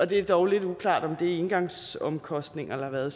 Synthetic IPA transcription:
ɒ̽d̥e̝æɐd̥ɒʊle̝d̥ukʰlɑ̰̈ːd̥ɒ̽md̥e̝e̝nɡ̥ɑ̈ŋsɒ̽mkʰɒ̽sd̥ne̝ŋɐelɐɑʋæɐð̩ˠ

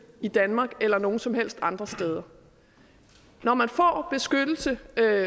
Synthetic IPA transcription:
id̥ænmɑ̈ːɡ̥elɐno̝ːn̩sɒ̽mhel̰sd̥ɑ̈nd̥ʁɐsd̥eːð̞ˠɐ | nɒmænfɒ̰ːb̥e̝sɡ̥ød̥l̩sə

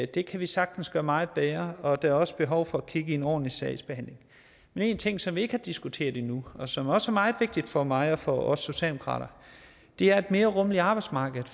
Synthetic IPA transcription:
d̥e̝kʰæʋisɑ̈ɡ̥d̥n̩sɡ̥ɶɐmɑ̈ɪð̞̩ˠb̥eɐɒ̽d̥æɐɒ̽sə̥b̥e̝ɦɒʊfɒ̽ækʰiɡ̥əienɒ̰ːdnlisɛɪsb̥e̝hæn̰le̝ŋ | mene̝ːnt͡sʰe̝ŋ̰sɒ̽mʋie̝ɡ̥hɑ̈d̥isɡ̥ut͡sʰe̝̰ːɐðˠinuɒ̽sɒ̽mæɐɒ̽səæɐmɑ̈ːð̩ˠʋe̝ɡ̥̚d̥id̥fɒ̽mɑ̈ɪɒ̽fɒɒ̽sso̝ɕɛ̰ːlmkʰʁɑ̰̈ːɾ̥ɐ | d̥e̝æɐe̝d̥me̝ːɐʁɔ̽məliɑ̈ːb̥ɑ̈ɪd̥smɑ̈ːɡ̥ð̩ˠ

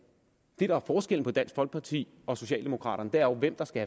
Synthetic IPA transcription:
d̥e̝dɾɑ̈æɐfɒːsɡ̥el̰n̩əpʰɒ̽d̥æn̰sɡ̥fɒlɡ̥̚pʰɑ̈t͡sʰḭː | ɒ̽so̝ɕɛ̰ːld̥e̝mo̝kʰʁɑ̰̈ːɾ̥ɐnəd̥eɐɒʊʋem̰d̥ɑ̈sɡ̥ææ

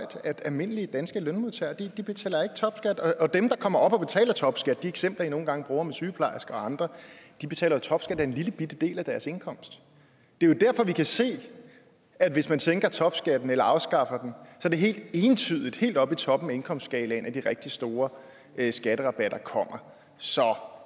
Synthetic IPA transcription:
ɒ̰d̥æd̥ælme̝n̰əliəd̥ænsɡ̥əlønmuðˠt͡sʰæ̰ɐd̥id̥ib̥e̝t͡sʰɛ̰ːlɐe̝ɡ̥ət͡sʰɒ̽b̥sɡ̥æd̥ɒ̽ɒ̽d̥emd̥ɑ̈kʰɒ̽m̰ɐɒ̽b̥ɒ̽b̥e̝t͡sʰɛ̰ːlɐt͡sʰɒ̽b̥sɡ̥æd̥̚d̥ieɡ̥sem̰b̥lɐino̝ːn̩ɡ̥ɑ̈ŋb̥ʁuːɐmesyːpʰlɑ̈ɪsɡ̥ɐɒ̽ɑ̈nd̥ʁɐd̥ib̥e̝̥t͡sʰɛ̰ːlɐjot͡sʰɒ̽b̥sɡ̥æd̥æɐenliləb̥id̥əd̥e̝̰ːlæd̥æɐse̝nkʰɒ̽m̰sd̥ | d̥e̝jod̥æɐ̰fɒ̽ʋikʰæse̝̰ː | æd̥ʋe̝smænt͡sʰeŋɡ̥ɐt͡sʰɒ̽b̥sɡ̥æd̥n̩elɐɑ̈ʊsɡ̥ɑ̈fɐd̥en̩sɒ̽d̥e̝ɦe̝̰ːld̥e̝ːnt͡sʰyðˠid̥he̝̰ːld̥ɒ̽b̥it͡sʰɒ̽b̥m̩mee̝nkʰɒ̽msd̥sɡ̥ɛɪlɛnʔæd̥iʁeɡ̥̚d̥isd̥o̝ːɐ | sɡ̥æɾ̥əʁɑ̈b̥æɾ̥ɐkʰɒ̽m̰ɐ | sɒ̽

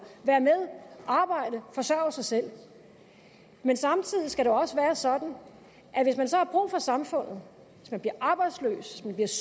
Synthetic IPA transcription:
ʋæːɐmeð̞ˠʔɑ̈ːb̥ɑ̈ɪ̰d̥əfɒ̽sɶɐ̰sɑ̈ɪsel̰ | mensɑ̈mt͡sʰið̞̰ˠisɡ̥æɾ̥eɒ̽səʋæːɐsɒ̽d̥n̩ | ʔæʋe̝s̬mænsɒ̽hɑ̈b̥ʁṵːfɒ̽sɑ̈mfɔ̽n̰ð̞̩ˠ | ʋe̝smænb̥liɐʔɑ̈ːb̥ɑ̈ɪd̥slø̰ːsʋesmænb̥liɐs

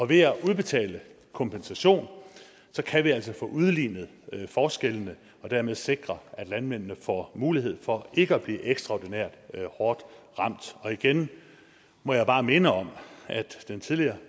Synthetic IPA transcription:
ɒ̽ʋe̝æʔuð̞ˠb̥e̝t͡sʰɛ̰ːlə | kʰɒ̽mpʰensæɕo̝̰ːn | sɒ̽kʰæʋiæl̰sɒ̽fɔ̰̽ːʔuð̞ˠliːnð̩ˠfɒːsɡ̥elənə | ɒ̽d̥æɐ̰með̞ˠse̝ɡ̥ʁɐʔæd̥lænmen̰nəfɒ̰muːliɦe̝ð̞̰ˠfɒ̽e̝ɡ̥əɒb̥lḭːʔeɡ̥sd̥ʁɑ̈ʊ̰d̥ineɐ̰d̥hɒːd̥ | ʁɑ̈m̰d̥ɒ̽iɡ̥en | mɒ̽jɑ̈ɪb̥ɑ̈ːme̝nəɒ̽mʔæd̥ːent͡sʰið̞ˠliɐː

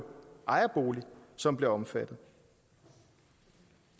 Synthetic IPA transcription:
ʔɑ̈ɪɐb̥o̝ːlisɒ̽mb̥le̝ɐɒ̽mfæd̥ð̩ˠ

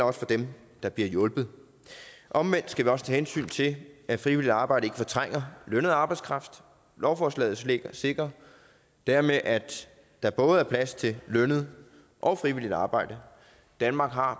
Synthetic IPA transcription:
ɒ̽sfɒ̽d̥em | d̥ɑ̈b̥liɐjɔ̽lb̥ð̩ˠ | ʔɒ̽mʋen̰d̥sɡ̥æʋiɒ̽sət͡sʰæːhensy̰ːnt͡sʰe̝æfʁiʋil̰id̥ɑ̈ːb̥ɑ̈ɪ̰ɾ̥əe̝ɡ̥əfɒ̽t͡sʰʁaŋ̰ɐlønəð̞̩ˠɑ̈ːb̥ɑ̈ɪskʰʁɑ̈fd̥ | lɒʊfɒslɛ̰ːð̩ˠsleɡ̥ɐse̝ɡ̥ʁɐ | d̥æɐmeʔæ̥ | d̥ɑ̈b̥ɔ̽ːð̞̩ˠæɐpʰlæst͡sʰe̝lœnð̞̩ˠ | ʔɒ̽ʊfʁiʋil̰id̥ɑ̈ːb̥ɑ̈ɪ̰d̥ə | d̥ænmɑ̈ːɡ̥ɦɑ̈

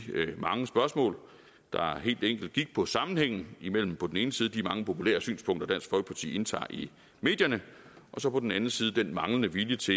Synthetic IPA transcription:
mɑ̈ŋəsb̥ɶɐsmɔ̰̽ːl | d̥ɑ̈ɦe̝̰ːld̥eŋ̰ɡ̥l̩d̥̚ɡ̥iɡ̥̚pʰɒ̽sɑ̈mn̩heŋ̰n̩imel̰m̩pʰɒ̽d̥n̩e̝ːnəsiːð̞ˠd̥iæmɑ̈ŋəpʰo̝pʰulḛːɐsy̰ːnspʰɔ̽ŋ̰d̥ɐd̥æn̰sɡ̥fɒ̽ɡə̥pʰɑ̈t͡sʰḭːe̝nt͡sʰɑ̰̈ːʔi | me̝̰ːd̥jɐnə | ʔɒ̽sɒ̽pɒ̽d̥n̩ænn̩siːð̞̩ˠəd̥enmɑ̈ŋlənəʋiljət͡sʰe̝

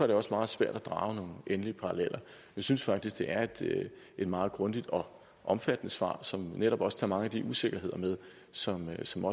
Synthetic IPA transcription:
ɐɾ̥e̝ɒ̽smɑ̈ːð̞̩ˠsʋæɐ̰d̥æd̥ʁɑ̈ːʊno̝ːŋ̩ʔenəliəpʰɑ̈ʁɑlel̰ʔɐ | jasynsfɑ̈ɡ̥d̥isɡ̥d̥e̝ʔæɐe̝d̥ | e̝d̥mɑ̈ːð̞̩ˠɡ̥ʁɔ̽nd̥id̥ɒ̽ | ʔɒ̽mfæd̥ənəsʋɑ̰̈ːsɒ̽mneɾ̥ɒ̽b̥ɒ̽st͡sʰɑ̈mɑ̈ŋəæd̥iʔuse̝ɡ̥ɐɦe̝ðˠɐmeð̞ˠ | sɒ̽msɒ̽mɒ̽

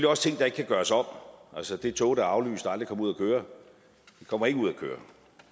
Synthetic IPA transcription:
liɒ̽st͡sʰe̝ŋ̰d̥ɑ̈e̝ɡ̥kʰæɡ̥ɶɐsɒ̽m̰ʔælsəd̥e̝t͡sʰɔ̰̽ːɾɑɑ̈ʊly̰ːsd̥ɑld̥ʁikʰɒ̽muð̰ˠɐkʰøːɐ | d̥ekʰɒ̽m̰ɐe̝ɡ̥əuð̞̰ˠækʰø̰ːɐ

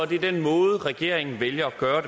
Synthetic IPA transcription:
ɒd̥id̥enmɔ̽ːð̩ˠəʁɛɡ̥e̝̰ɐ̰eŋn̩ʋeljɐɒɡ̥ɶːɐde

